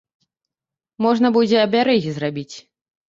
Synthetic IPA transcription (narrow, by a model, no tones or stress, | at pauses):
mɔʐnɐbud͡zʲɛɐbʲaɾɛzʲizrabʲit͡sʲ